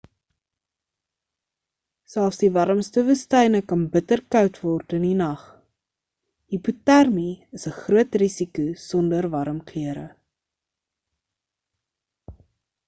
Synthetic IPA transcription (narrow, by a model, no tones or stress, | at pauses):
sælˠfsdivɐɾəmstəvustɛjnəkɐnbətərkœwtvɔrtəninɐχ | hiputærmiəsəχruətrisikusɔndərvɐɾəmklyəɾə̰